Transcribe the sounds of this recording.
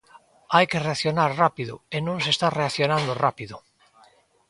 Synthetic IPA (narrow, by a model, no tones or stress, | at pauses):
ajkereaθjonaɾrapiðo̰enõŋs̬est̪areaθjonãnd̪orapiðo